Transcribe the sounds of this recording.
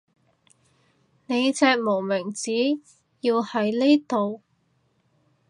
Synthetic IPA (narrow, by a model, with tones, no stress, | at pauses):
ne˨˧jt͡sɛː˧k̚mo˨˩wmɪ˨˩ŋt͡siː˨˥ | jiː˧whɐ˨˧jleː˥t̪o˨w